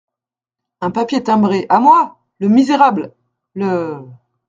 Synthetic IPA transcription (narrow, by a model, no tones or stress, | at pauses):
ɛ̃papjet̪ɛ̃bʁeʔamwa | ləmizeʁabl | lə